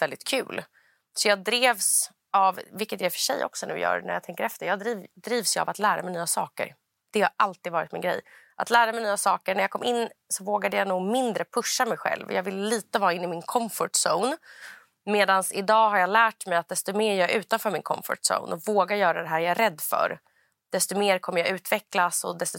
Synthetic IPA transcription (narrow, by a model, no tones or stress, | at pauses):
vɛld̪ɪt̪kʰʉ̟̰ːl | sɔjɑːɡ̚d̪ɾeːvs | avːɪkːət̪jæɾfœ̥ʂɛ̰jːʔɔ̰ksɔnʉ̟ːjœ̰ːɾnæ̰ɾjat̪ʰɛŋkəɾɛft̪əjɑːɡd̪ɾiːd̪ɾiːvsja̰vat̪læːɾa̰mɛjnyːasɑ̰ːkə̰ɾ | d̪̥ɛhaɾʔalt̪iːd̪vɑːɾɪt̪mɪnɡɾɛ̰jʔat̪læːɾamɛjnyːasɑːkəɳæɾjaːkʰɔmːʔɪnːsɔvoːɡad̪əjanuːɡmɪnd̪ɾəpʰɵʂːamɛjɧɛ̰lvɔ̰jɑːvɪlliːt̪əvɑːɪnːɪmɪnkʰɔmfʊʈso̰ʊn | meːd̪ansɪd̪ɑːɦaɾjɑlæːʈmɛjat̪̚d̪ɛst̪ɔmeːɾjœːɾʔʉ̟ːt̪anfœːɾmɪnkʰɔ̰mfʊ̰ʈso̰ʊnʔɔvoːɡajœːɾad̪ɛɦæːɾjaɛɾɛd̪ːfœ̰ɾ | d̪̥ɛst̪ɔmeːɾkʰɔmːəɾjaʉ̟ːt̪vɛklasɔd̪ɛst̪ɔ